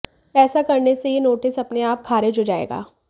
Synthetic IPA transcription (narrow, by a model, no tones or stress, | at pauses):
ɛːsakɐɾnesejenoːʈɪsɐpneaːp̚kʰaːɾed͡ʒod͡ʒaːḛːɡa̰ː